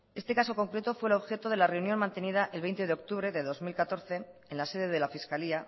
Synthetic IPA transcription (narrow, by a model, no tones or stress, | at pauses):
e̞st̪e̞kaso̞ko̞ŋkɾe̞t̪o̞fwelo̞βxe̞t̪oð̞e̞lare̞unjo̞nmãnt̪e̞nið̞aʔe̞lβejnt̪eeo̞k̚t̪uβɾe̞ðe̞ðo̞zmilkat̪o̞ɾθe̞enlase̞ðe̞ðe̞lafiskalia